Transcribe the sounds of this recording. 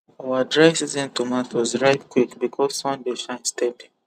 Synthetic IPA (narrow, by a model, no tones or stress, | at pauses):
awadɹaɪsizɛ̃ntomaθwɔzɹaɪtkwikbikʰɔzsɔ̃ndeʃãɪ̃nstɛdĩ